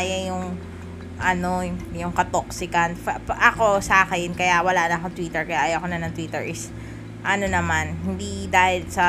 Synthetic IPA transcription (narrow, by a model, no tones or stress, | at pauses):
jɐjʊŋ | ʔɐno̞jʊŋkɐt̪oksɪkɐnfɐpʔɐko̞sakɐjɪnkɐjaʔwɐlaːnɐːkoŋt̪wiːt̪ɛɹkɐjaʔajɐkonɐnɐŋt̪wiːt̪ɛɹʔɪs | ʔɐno̞nɐmanhɪnd̪id̪aːhɪd̪sɐ